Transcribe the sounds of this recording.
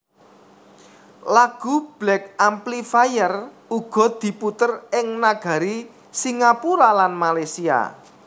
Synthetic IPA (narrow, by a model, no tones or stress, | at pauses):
laɡ̥ṳb̥lɛk̚amplifajər | uɡ̥ɔ̤d̪̥i̤put̪ərɪŋnaɡ̥ä̤ɾi | siŋapuɾalanmalasia̰